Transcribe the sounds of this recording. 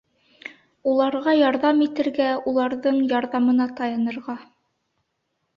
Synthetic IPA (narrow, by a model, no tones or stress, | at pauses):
ulˠɑɾʁɑjɑɾðɑmit̪ɘ̆ɾɡæulˠɑɾðɤɴjɑɾðɑmɤ̆nɑt̪ɑjɑnɤ̆ɾʁɑ